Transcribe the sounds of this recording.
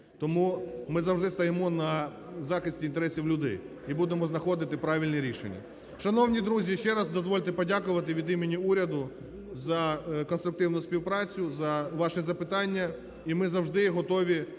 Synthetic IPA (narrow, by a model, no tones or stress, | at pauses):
t̪ɔmumɪzɐwʒd̪ɪst̪ɐjemɔnɐ | zɑxɪsʲtʲiint̪eɾɛsʲiwlʲʊd̪ɛ̰j | ibud̪emɔznɐxɔd̪ɪt̪ɪpɾɑʋʲilʲnɛɾʲiʃḛnʲːɐ̰ | ʃɐnɔwnʲid̪ɾuzʲiʃt͡ʃɛɾɐzd̪ɔzʋɔlʲt̪ɪpɔdʲakʊʋɐt̪ɪʋʲid̪imenʲiuɾʲɐd̪ʊ | zɐkɔnst̪ɾʊk̚t̪ɪwnʊsʲpʲiwpɾɑt͡sʲʊzɐʋɑʃɛzɐpɪt̪ɑnʲːɐ | imɪzɐwʒd̪ɪɦɔt̪ɔʋʲi